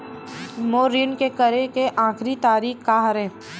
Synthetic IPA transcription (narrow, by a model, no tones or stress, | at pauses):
moːɾinkekəɾekeʔãːkʰɾit̪aːɾiːxkaɦəɾẽː